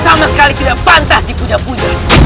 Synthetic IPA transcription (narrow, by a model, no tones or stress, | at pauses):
samasə̥kalikidapant̪asdikudapuɲa